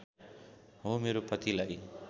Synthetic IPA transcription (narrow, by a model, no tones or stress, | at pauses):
ɦomeɾopʌt̪ilaʔj